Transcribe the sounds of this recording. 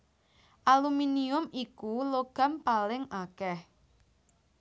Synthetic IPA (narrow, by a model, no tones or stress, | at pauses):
ʔaluminiʊmikuloɡ̥a̤mpalɪŋakɛh